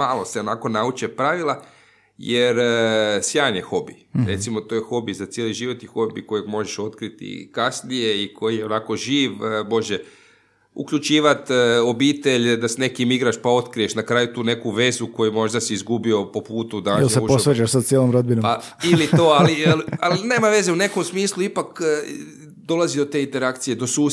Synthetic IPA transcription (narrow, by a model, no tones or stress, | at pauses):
maːlˠo̞seo̞nako̞naut͡ʃepɾaʋilˠa | jeɾsjaːnexo̞bḭ | ɾet̪simo̞t̪o̞jexo̞bizat̪sjeliʒiʋo̞t̪ixo̞bḭko̞jeɡmo̞ʒeʃo̞t̪kɾit̪ḭkasnije̞ikʰo̞jijeo̞naːko̞ʒiːʋbo̞ʒe | ṵkʎut͡ʃiːʋat̪o̞biːt̪e̞ʎd̪asne̞kimiɡɾaʃpao̞t̪kɾie̞ʃnakɾaːjut̪uːne̞kuʋe̞zuko̞jumo̞ʒd̪asiizɡubio̞po̞puːt̪ud̪aoeseupoesʋet͡ʃaʃsad̪̚t̪sjelomɾod̪binoailit̪oalilialine̞ːmaʋe̞ze̞une̞ko̞msmiːslˠuipak | d̪o̞lazid̪o̞t̪e̞int̪e̞ɾakt̪sije̞d̪o̞suː